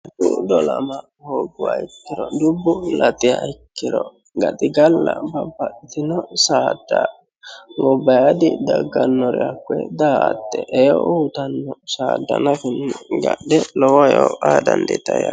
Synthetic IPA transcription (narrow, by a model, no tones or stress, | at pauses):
t̪ʊd̪ɔlɐmɐ | hoːɡʊwaɪkːɪɾɔd̪ʊbːʊlɐt̪ɪjaɪkːɪɾɔ | ɡɐt̪ɪɡɐlːɐbɐbːɐɗɪt̪ɪnɔsaːd̪̥ːa | wɔbɐjad̪ɪd̪ɐɡːɐnːɔɾɛakːwɛ̰d̪aːt̪ːɛʔɛjɔ̰ʔuːt̪ɐnːɔsaːd̪ːɐnɐfɪnːɪɡɐdɛlɔwɔjɔaːd̪ɐnd̪ɛ̰t̪ɐja